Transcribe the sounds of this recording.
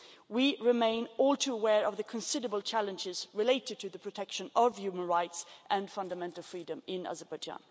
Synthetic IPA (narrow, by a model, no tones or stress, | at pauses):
wiɹɪmẽɪ̃nɔlˠtʰuəwɛɹʌvðɨkʰɨ̃nsɪdə˞əbəl̩ˠt͡ʃʰælˠɨ̃nd͡ʒɪzɹɨleɪɾɨd̚tʰɨðɨpʰɹ̥ɨtʰɛkʃɨ̃nʌv̥jʉmə̃nɹaɪtsʔɨ̃nfʌ̃ndəmɛ̃ntˡl̩ˠfɹidɨ̃mɪ̃na̰zəbad͡ʒã̰n